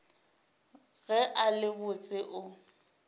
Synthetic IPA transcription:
ɣɛʔalɪbʊt͡sʼɪʔʊ

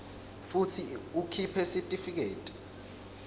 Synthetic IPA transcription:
futʰiukʰipʰɛsitʼifik̬eːtʼi̥

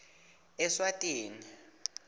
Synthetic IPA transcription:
ɛswatʼiːni

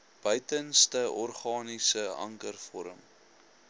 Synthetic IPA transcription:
b̥œɥtənstəʔɔrχɑːnisəɐ̰ŋkərfɔɾəm

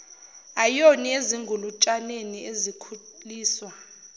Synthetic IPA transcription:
ajonieziŋɡʱulut͡ʃʼaneniezikʰuliːswa

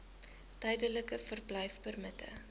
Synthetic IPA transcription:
tœjdələkəfərblœjfbərmətə̰

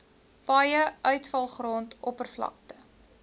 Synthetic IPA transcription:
pɐjəʔœɥtfɐlˠχroːntʔɔpərflɐ̰k̚tə

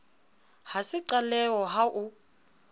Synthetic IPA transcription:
hasɪǀalɛwɔɦaʔu

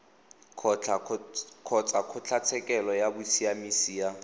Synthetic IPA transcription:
kʰɔ | kʰɔt͡sʰʼakʰʊt͡ɬʰat͡sʰɛkʼɛlɔjabʊsiamisiːa

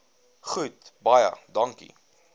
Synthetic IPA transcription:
χutbɐjə̰dɐŋkḭ

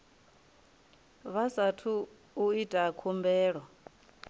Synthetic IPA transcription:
βasatʰu | uitʼaːkʰumbɛːɺwa

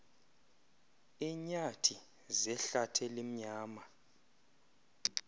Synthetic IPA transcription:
iɲatʰi | zɛɬatʰɛlim̩ɲaːma

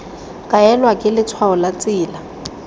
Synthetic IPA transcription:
kʼaɛlwakʼɪlɪt͡sʰwaɔlat͡sʼɪːla

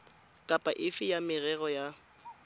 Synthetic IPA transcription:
kʼapʼaʔɪfɪjamɪrɛɣɔja

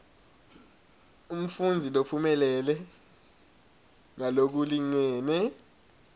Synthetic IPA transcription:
um̩fund͡zʱilopʰumɛlɛlɛ | ŋalok̬uliŋɛːnɛ

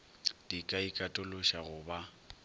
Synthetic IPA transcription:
d̥ikʼaikʼatʼʊlʊʃaɣʊba

